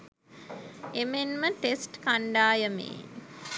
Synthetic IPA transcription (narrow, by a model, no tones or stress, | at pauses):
emenməʈesʈkaɳɖaːjəmḛː